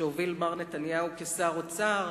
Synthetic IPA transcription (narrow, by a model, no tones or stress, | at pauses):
eovilmaʁnet̪anjaukesaʁot͡saʁ